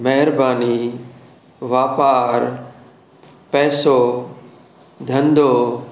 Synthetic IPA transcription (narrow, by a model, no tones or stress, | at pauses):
mɛɦɪɾbaːni | ʋaːpaːɾ | pɛːsoː | d̪ʱɐ̃nd̪oː